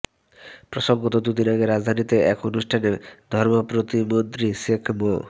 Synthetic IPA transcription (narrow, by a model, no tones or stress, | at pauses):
pɾɔsɔŋɡɔt̪ɔd̪ud̪inaɡeɾad͡ʒd̪ʱanit̪eʔɛkonusʈʰaned̪ʱɔɾmɔpɾot̪imont̪ɾisekʰmo